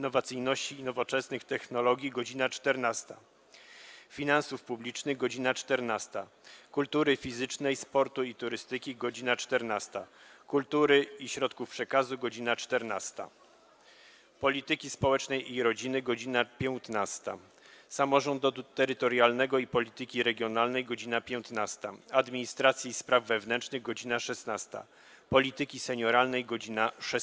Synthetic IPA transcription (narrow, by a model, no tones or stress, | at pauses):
inːɔvat̪sɘjnɔɕt͡ɕiːnɔvɔt͡ʂɛsnɘxt̪ɛxnɔlɔɡʲjiɡɔd͡ʑinat͡ʂt̪ɛɾnast̪a̰ | fʲinãnsufpublʲit͡ʂnɘɣɡɔd͡ʑinat͡ʂt̪ɛɾnast̪a | kult̪uɾɘfʲizɘt͡ʂnɛjspɔɾt̪uit̪uɾɘst̪ɘkʲiɡɔd͡ʑinat͡ʂt̪ɛɾnast̪akult̪uɾɘiɕɾɔt̪kufpʂɛkazuɡɔd͡ʑinat͡ʂt̪ɛɾnast̪a̰ | pɔlʲit̪ɘkʲispɔwɛt͡ʂnɛjiɾɔd͡ʑinɘɡɔd͡ʑinapʲjɛwt̪nast̪a̰ | samɔʐɔnd̪ɔd̪ut̪ɛɾɘt̪ɔɾjalnɛɡɔipɔlʲit̪ɘkʲiɾɛɡʲjɔnalnɛjɡɔd͡ʑinapʲjɛw̃t̪nast̪aad̪mʲiɲist̪ɾat̪sʲjiːspɾavːɛvn̪ɛnt͡ʂnɘɣɡɔd͡ʑinaʂɛsnast̪a̰ | pɔlʲit̪ɘkʲisɛɲɔɾalnɛjɡɔd͡ʑinaʂɛ